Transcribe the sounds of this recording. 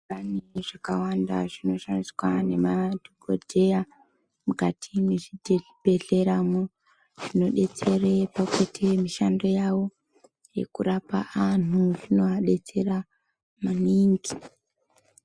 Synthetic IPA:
aniʐ̥akawanda̰ʐino̞ʃaniswane̞madʱoɡo̰dʱe̞a | mukatʰimeʐidʱb̥ʱe̞ɮe̞ɾamo | ʐ̥ino̞ɗe̞t͡se̞repaketʰemiʃando̞jawo̞ | je̞̰kurapaʔanuʐino̞aɗe̞t͡se̞ra | maniŋɡi

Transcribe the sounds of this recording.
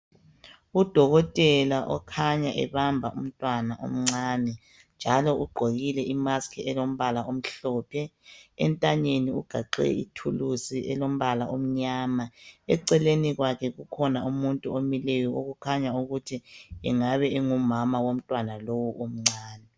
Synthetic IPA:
ud̥ʱɔɣɔtʼɛlaʔɔkʰaɲaʔɛ̰βambʱaʔṵm̩tʼwanaʔo̰m̩ŋ͡ǀaːnɛ | nd͡ʒʱalɔʔuɡ͡ǃʱoɣilɛʔimaskʰɛɛlom̩βalaʔom̩ɬɔːpʰɛɛ̰ntʼaɲeniuɡ̥ʱaǃɛ̰ḭtʰulusiʔɛ̰lom̩βalaʔom̩ɲaːmaɛǀɛleniɣwakʰɛɣukʰɔnaumuntʼuomilɛjɔo̰ɣukʰaɲauɣutʰiɛ̰ŋaβɛeŋumamawom̩tʼwanalowuʔom̩ŋ͡ǀaːnɛ

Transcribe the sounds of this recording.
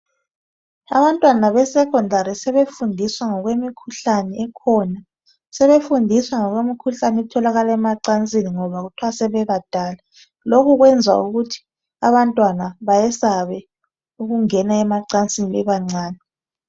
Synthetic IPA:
a̰βantʼwanaβɛsɛkʰʼɔndʱaɾisɛβefundʱiswaŋɔɣwemikʰuɬanɛɛkʰɔna | sɛβefundʱiswaŋɔɣwemikʰuɬanɛɛtʰɔlaɣalaɛmaǀant͡sʼiniŋɔβaɣutʰuwasɛβɛβad̥ʱaːla | lokuɣwɛnd͡zʱa̰uɣutʰi̥ | aβantʼwanaβajɛsaβɛ | uɣuŋɛnaɛmaǀant͡sʼiniβɛβaŋ͡ǀaːnɛ

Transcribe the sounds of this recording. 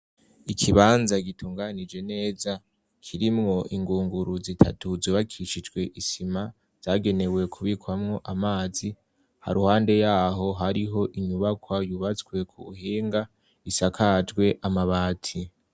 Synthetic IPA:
ikʰiβaːnzaɡitʰuːŋɡanid͡ʒe̞ne̞ːza | kʰiɾimŋo̞ʔiŋɡuːŋɡuɾuzitʰa̰tuzoːβakʰiʃid͡ʒɡwe̞ʔisima | z̥aːɡe̞ne̞we̞kʰuβikwamŋo̞ʔamaːzi | ha̰ɾuhaːnde̞jaːɦo̞ɦaɾiɦo̞ʔiɲuβakwajuβat͡sɡwe̞kʰuhiːŋɡa | isakʰad͡ʒɡwe̞ʔamaβaːtʰi

